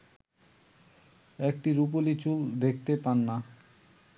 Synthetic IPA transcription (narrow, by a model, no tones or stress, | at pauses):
ɛk̚ʈiɾup̬olit͡ɕuld̪ekʰt̪epanːa